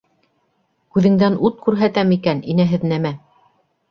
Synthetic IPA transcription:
kʉðɘ̆ŋd̪ænut̪̚kʉɾɦæt̪æmikæninæɦɘðnæmæ

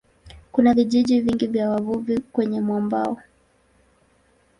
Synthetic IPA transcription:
kunaviʄiʄiviŋɡivjawavuvikwɛɲɛmwɔmba̰ɔ

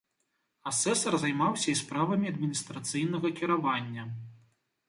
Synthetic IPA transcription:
asɛsɐrzajmawsʲɐispɾavɐmʲiɐd̪mʲinʲist̪ɾat̪sɨjnɐɣɐkʲiɾavanʲːɐ

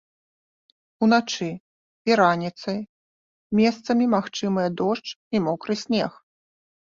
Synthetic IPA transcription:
un̪at͡ʂɨ | iɾanʲit̪sɐj | mʲɛst̪sɐmʲimaxt͡ʂɨmɐjɐd̪ɔʂt͡ʂimɔkɾɨsʲnʲɛx

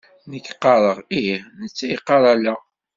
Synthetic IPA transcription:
nəkːqːɑɾˤəʁinət͡sːæjiqːɑɾˤɑlæ

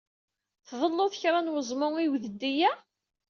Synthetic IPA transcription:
θðˤəlːʊθəçɾˤanwəzˤmʊŋiwðəd̪ːijæ

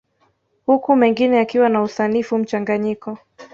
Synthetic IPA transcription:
hukumɛŋɡinɛakiwanausanifum̩t͡ʃaŋɡaɲikɔ

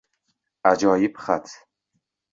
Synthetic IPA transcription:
ad͡ʒɒːjibχat̪ʰ

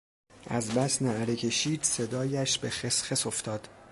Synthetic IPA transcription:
ʔæzbæsneæɾecʰe̞ʃiːd̪̥se̞d̪ɒːjæʃbe̞xesχeso̞ft̪ʰɒːd̪̥

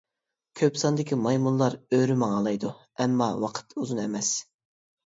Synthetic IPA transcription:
kʲʰøpsɑnd̪ɪkʲimɑjmunlˠɑɾøɾymɑŋɑlˠɑjd̪u | ɛmːɑwɑqʰə̥t̪ʰuzunɛmɛs

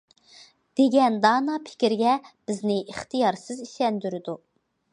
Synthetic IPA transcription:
d̪̥eɡʲɛnd̪ɑːnɑpʰɪ̥kʲiɾɡʲɛb̥ɪznɪʔiχt̪ʰɨjɑɾsɨziʃɛnd̪yɾɪd̪u

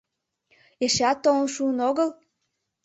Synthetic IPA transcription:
eʃeɑt̪ːonəʃuənoɣəl

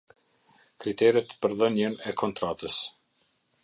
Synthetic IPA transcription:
kɾit̪ɛɾɛt̪pəɾðənənɛkʰɔnt̪ɾat̪əs

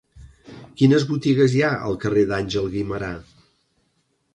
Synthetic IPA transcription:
kinəzβut̪iɣəzjaə̰lˠkəreðanʲʒəlˠɣiməɾa

